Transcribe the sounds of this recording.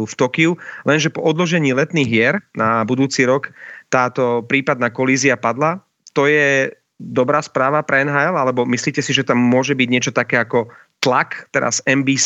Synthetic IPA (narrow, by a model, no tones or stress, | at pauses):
uft̪ɔkiulɛnʒɛpɔʔɔd̪lɔʒɛɲiːlɛt̪niːɣɦɪɛɾnabud̪uːt͡siːɾɔkt̪aːt̪ɔpɾiːpad̪naːkɔliːziapad̪la | t̪ɔjɛ | d̪ɔbɾaːspɾaːʋapɾɛɛnɦaːɛlalɛbɔmisliːcɛsiʒɛt̪amːʊɔʒɛbiɟɲɪɛt͡ʃɔt̪akɛːakɔ | t̪lakt̪ɛɾa̰zɛmbiːs